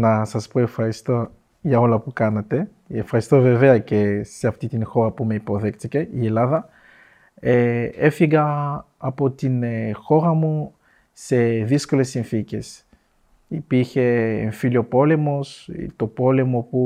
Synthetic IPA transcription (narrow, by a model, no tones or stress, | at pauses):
nɐsɐspo̞e̞fxɐɾist̪o̞ | ʝɐo̞lɐpukɐnɐt̪e̞ | efxɐɾist̪o̞ve̞ve̞ɐce̞seɐft̪it̪inxo̞ɾɐpume̞ipo̞ðe̞kt̪ice̞ie̞lɐðɐ | ee̞fiɣɐː | po̞t̪inxo̞ɾɐmu | se̞ðisko̞le̞sːinθice̞s | ipiɾçe̞ɱfiliopo̞le̞mo̞st̪opo̞le̞mo̞pu